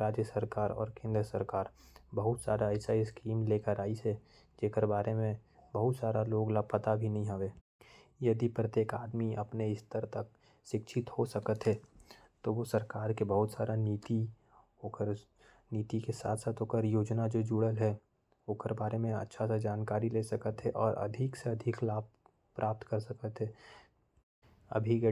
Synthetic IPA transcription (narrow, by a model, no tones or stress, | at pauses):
ɾaːd͡ʒjəsəɾkaːɾɔ̰ːɾkẽːnd̪ɾəsəɾkaːɾbəɦʊt̪sa̰ːɾaɛɪsaɪskiːmleːkəɾaːise | d͡ʒeːkəɾbaːɾʔemẽ | bɐɦʊt̪saːɾaloːɡlapət̪abʱinɐɦĩɦɐʋeː | jɐd̪ipɾət̪jeːkaːd̪miɐpneɪst̪əɾt̪ɐk̚ | ʃɪkʃʰɪt̪hosɐkət̪ɦɛ | t̪oʋosɐɾkaːɾkebɐɦʊt̪saːɾaniːt̪i | oːkəɾ | niːt̪ikesa̰ːt̪ʰsaːt̪ɦoːkəɾjoːd͡ʒnad͡ʒoːd͡ʒuːɽəlɦɛ | oːkəɾbaːɾemẽɐ̰tːʃʰasad͡ʒaːnkaːɾileːsɐkət̪ɦɛʔɔːɾʔɐ̰d̪ʱɪkseɐd̪ʱɪklaːb̚ | pɾʔaːp̚t̪kɐɾsɐkət̪ɦɛ | ɐ̰bʱi